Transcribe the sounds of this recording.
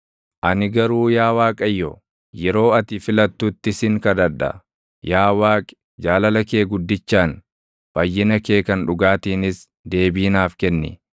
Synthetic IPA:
ʔɐnɪɡɐɾuːjaːwaːkʼɐjːɔ | jɛɾo̞ːɐt̪ɪfɪlɐt̪ːuːt̪ːɪsɪŋkɐd̪ɐɾd̪ɐ̰ | jaːwaːkʼɛ̥ | d͡ʒaːlɐlɐke̞ːɡʊd̪ːɪt͡ʃːaːn | fɐjːɪnɐke̞ːkɐnᶑʊɡaːt̪iːnɪs | d̪e̞ːbiːnaːfkɛnːɪ̰

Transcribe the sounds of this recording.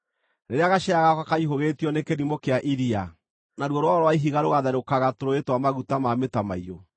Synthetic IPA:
neɾeaɣaʃɛaɣakakaiɦoɣetiɔnekeɾimokeaʔiɾia | naɾwɔɾowaɔɾowaiɦiɣaɾoɣaðaɾokaɣatoɾoetwamaɣutamametama̰iɾo

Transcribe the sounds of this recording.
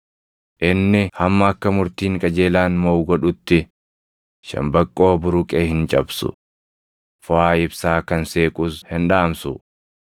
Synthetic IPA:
ʔɪnːɪhɐmːɐɐkːɐmʊɾt̪iːŋkʼɐd͡ʒe̞ːlaːnmowɡɔᶑʊt̪ːɪ | ʃɐ̰mbɐkʼːo̞ːbʊɾʊkʼeːhɪnt͡ʃʼɐbsʊ̰ | fʊaːɪbsaːkɐnseːkʼʊshɪnᶑaːmsʊ̰

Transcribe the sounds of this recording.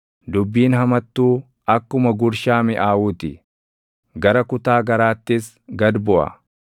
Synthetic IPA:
d̪ʊbːiːnhɐmɐt̪ːuː | ɐkːʊmɐɡʊɾʃaːmɪʔaːwuːt̪ɪ | ɡɐɾɐkʊt̪aːɡɐɾaːt̪ːɪs | ɡɐd̪bɔʔɐ̰

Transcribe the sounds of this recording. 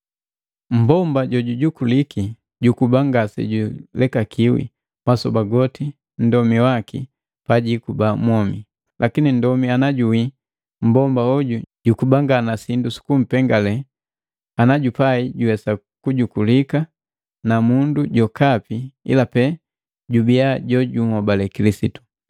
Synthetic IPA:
m̩bɔmbaɟɔɟuɟukuliki | ɟukubaŋɡasɛ̰ɟulɛkakiwḭ | mwasɔbaɡɔti | n̩dɔmiwakḭ | paɟikubamwɔmi | lʔakinindɔmianaɟuwi | m̩bɔmbaɔɟuɟukubaŋɡanasindusu̥kum̩pɛŋɡalɛ | anaɟupaiɟuwɛsa | kuɟukulika | namunduɟɔkapiḭlapɛ | ɟubiaɟɔɟumɔbalɛkilisitu̥

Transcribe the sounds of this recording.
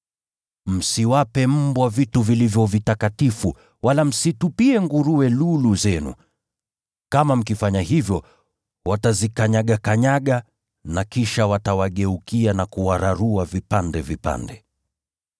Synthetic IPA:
m̩siwapɛm̩bwavituvilivjɔvitakatifu | walam̩situpiɛŋɡuɾuwɛluluzɛnṵ | kamam̩kifaɲahivjɔ | watazikaɲaɠakaɲaɠa | nakiʃawatawaɠɛukianakuwaɾaɾuavipandɛvipa̰ndɛ

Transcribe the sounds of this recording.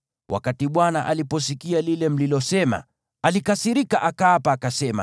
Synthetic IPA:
wʔa̰katiɓwanaʔalipɔs̬ikialilɛm̩lilɔsɛma̰ | alikasiɾikaʔakaːpaːkasɛma̰

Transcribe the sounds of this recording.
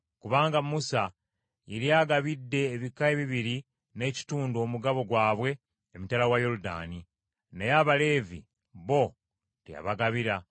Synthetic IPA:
kuβaːŋɡamːusa | jeɾiaːɡaβidːe̞ːβikaeβiβiɾi | ne̞ːci̥tuːndo̞ːmuɡaβo̞ɡwaːβwe̞ː | mitalawajo̞ɾuda̰ːni | nejaːβale̞ːvḭ | βo̞ | tia̰βaɡaβiɾa

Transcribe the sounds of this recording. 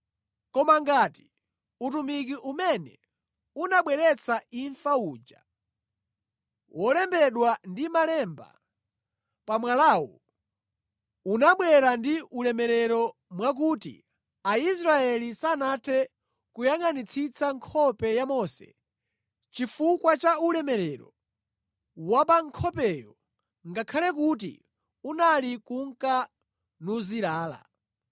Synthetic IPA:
kɔmaŋɡati | utumikiʔumɛnɛ̰ | unaɓwɛɾɛt͡saiɱfauːd͡ʒa̰ | wʔɔlɛmbɛɗwandimalɛmba̰ | pamwalaːwɔ̰ | unaɓwɛɾandiulɛmɛɾɛɾɔmwak̬uːtḭ | ais̬ɾaɛlisanatʰɛ | kujaŋanit͡sʰit͡sʰaŋkʰɔpɛjamɔsɛ̰ | t͡ʃifukwat͡ʃaulɛmɛɾɛɾɔ̰ | wapaŋkʰɔpɛjɔ | ŋɡakʰalɛk̬ut̬ḭ | unalikuŋka | nuziɾaːla̰

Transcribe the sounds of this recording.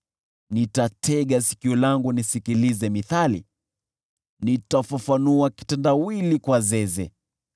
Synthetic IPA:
nitatʰɛɠasi̥kiɔlaŋɡunisikilizɛmiθalḭ | nitafafanuaki̥tɛndawilikwazɛzɛ̰

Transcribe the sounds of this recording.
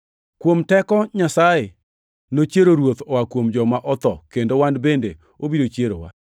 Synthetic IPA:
kwomtɛkɔɲasaje | not͡ʃjeɾoɾwot̪ɔwakwomd͡ʒɔmaʔɔt̪ɔkendowandbende | obidot͡ʃjeɾowa̰

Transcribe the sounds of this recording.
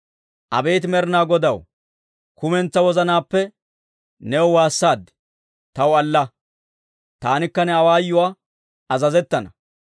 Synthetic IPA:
ʔɐ̰be̞ːt̪ɪmɛɾnaːɡɔd̪ɐw | kʊmɛnt͡sːɐwɔzɐnaːpːɛ | nɛwɔwaːsːaːd̪ɪ | t̪ɐwɐlːɐ | t̪aːnɪkːɐnɛɐwaːjːʊwaː | ɐzɐzɛt̪ːɐnɐ

